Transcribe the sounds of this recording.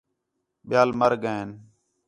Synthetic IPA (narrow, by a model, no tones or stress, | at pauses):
ɓɪjaːlməɾɡaːn